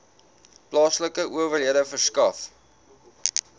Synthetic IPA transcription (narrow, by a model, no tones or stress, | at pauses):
plɑːsləkəʔuəvərɦiədəfərskɐf